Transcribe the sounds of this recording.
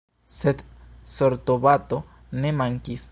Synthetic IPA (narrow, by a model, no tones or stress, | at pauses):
set̪soɾt̪oβat̪o | nemaŋkis